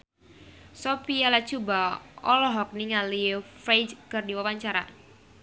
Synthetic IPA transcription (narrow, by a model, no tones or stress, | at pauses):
sɔpialḁt͡ʃubaɔlɔɦɔk̚niŋalifɾejd͡ʒkərdiwawaɲt͡ʃaɾa̰